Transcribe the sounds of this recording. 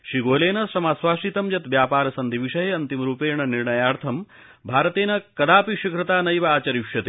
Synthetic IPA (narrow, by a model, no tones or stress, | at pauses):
ʃiɡoːleːnɐsɾɐmaːsʋaːʂit̪ɐmjɐt̪ʋjaːpaːɾɐsɐnd̪ʱiʋiʃɐɦeɐnt̪imɾuːpeːɳɐniɾɳɐjaːɾt̪ʰɐm | bʱaːɾɐt̪eːnɐkɐd̪aːpiʃikʰɾɐt̪aːnɐjʋɐaːt͡ʃɐɾiʂjɐt̪e